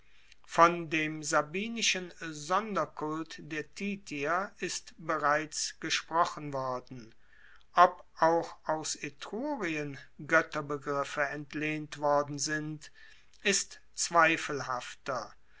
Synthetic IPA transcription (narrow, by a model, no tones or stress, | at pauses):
fɔndeːmzabiːnɪʃənzɔndɐkʊltd̥eːɐtʰiːtiɐɪstb̥əʁaɪt͡sɡ̥əʃpʁ̥ɔχən̩vɔɐdn̩ | ʔɔpʔaʊxʔaʊsetʁuːʁiənɡœtɐbəɡʁɪfəɛntleːntv̥ɔɐdn̩zɪnt | ʔɪst | t͡sv̥aɪfəl̩ɦaftɐ